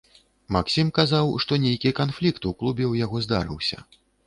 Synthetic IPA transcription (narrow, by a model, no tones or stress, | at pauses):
maksʲimkazawʂt̪ɔnʲejkʲikanflʲikt̪uklˠubʲɛwjaɣɔzd̪a̰ɾɨ̰wsʲɐ̰